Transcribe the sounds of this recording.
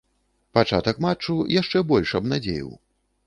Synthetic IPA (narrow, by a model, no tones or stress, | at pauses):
pat͡ʂat̪ɐkmat͡ʂːujaʂt͡ʂɛbɔlʲʂɐbnad͡zʲḛjḭw